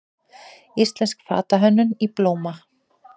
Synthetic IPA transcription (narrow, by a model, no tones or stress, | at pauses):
ist̪lɛnskfa̰ːt̪aɦœnːʏniploːwma